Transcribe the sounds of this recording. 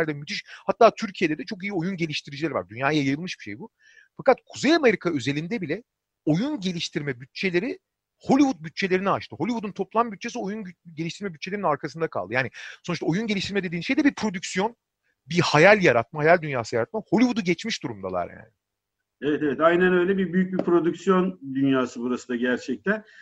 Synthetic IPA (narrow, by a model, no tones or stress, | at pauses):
æɾd̪ɛmyt̪ʰiʃhat̪ːaːt̪ʰyɾcʰije̞d̪ɛd̪ɛt͡ʃʰo̞k̬ijio̞junɟe̞lʲiʃt̪ʰiɾid͡ʒilʲæɾva̰ɾd̪ynjaːjjajɯjɯlˠmɯʃbiʃejbu | fakat̪kʰuzejame̞ɾikʰaø̞ze̞lʲind̪ɛbilʲɛ | o̞junɟe̞lʲiʃt̪ʰiɾmɛbyt̪̚t͡ʃʰe̞lʲe̞ɾi | ho̞lʲivut̪̚byt̪̚t͡ʃʰe̞lʲe̞ɾinɛaʃt̪ʰɯɦo̞lʲivud̪unt̪ʰo̞plˠambyt̪̚t͡ʃʰe̞sio̞junɟelʲiʃt̪iɾmɛbyt̪̚t͡ʃʰe̞lʲeɾinaɾkʰasɯnd̪akʰa̰lˠd̪ɯjaːnɪsonuʃt̪ao̞junɟe̞lʲiʃt̪ʰiɾmɛd̪e̞d̪iːnʃejd̪ɛbipʰɾo̞d̪ycsijo̞n | bihajalʲjaɾat̪̚mahajalʲd̪ynjaːsɯjaɾat̪̚maho̞lʲivud̪uɟɛt͡ʃmiʃd̪uɾumd̪a̰lˠa̰ɾja̰ːnɪ | evɛt̪evɛt̪ajnænø̞jlʲɛbibyjyc̚bipɾo̞d̪ycsjo̞nd̪ynjaːsɯbuɾasɯnd̪aɟæɾt͡ʃʰɛc̚t̪ʰæn